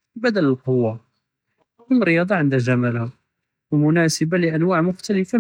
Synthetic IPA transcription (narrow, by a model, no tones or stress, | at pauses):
bæd̪ələlqowːa | ʊmɾːəjɑd̪ˤɑʕənd̪æʒamælha | wmʊnæsəbalɪʔænwaʕmʊxt̪aləfa